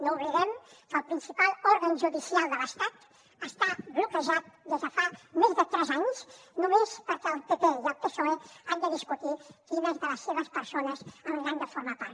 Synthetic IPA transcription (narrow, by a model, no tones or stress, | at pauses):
noβliɾɛm | kəlpɾinsipalɔɾɣənʒud̪isjalˠd̪ələst̪at̪ | əst̪ablukəʒat̪̚d̪əʒafamezd̪ət̪ɾɛzaɲsnumespəɾkəəlˠpepeiəlpəsoeaɲd̪əðiskut̪ikinezd̪ələsːeβəspəɾsonəzəmlaɲd̪əfoɾmap̪aɾ